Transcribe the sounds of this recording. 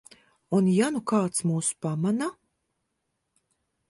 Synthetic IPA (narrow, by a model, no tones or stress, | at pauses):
unjanukaːt̪smuːsu̥pamana